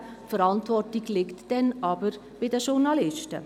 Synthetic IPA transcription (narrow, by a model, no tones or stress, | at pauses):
fəɾɑntvɔrtiɡlɪktd̥ɛnɑbəɾ | b̥ɪdəʃuɾnɑlɪʃtə